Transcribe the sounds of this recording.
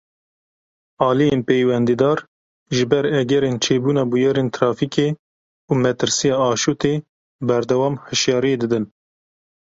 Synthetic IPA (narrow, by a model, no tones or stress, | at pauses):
ɑːlijenpejwɛnd̪id̪ɑːɾ | ʒɪbɛɾɛɡɛɾent͡ʃʰeːbuːnɑːbujɛɾent̪ʰɾɑːfikeː | uːmɛt̪ɨɾsijɑːɑːʃut̪eː | bɛɾd̪ɛwɑːmhɨʃjɑːɾijeːd̪ɨd̪ɨn